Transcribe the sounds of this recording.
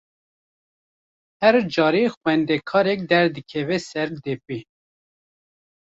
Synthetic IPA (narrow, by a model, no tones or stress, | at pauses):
hɛɾd͡ʒɑːɾixwɛnd̪ɛkʰɑːɾɛk̚d̪ɛɾd̪ɨkʰɛvɛsɛɾd̪ɛp̚i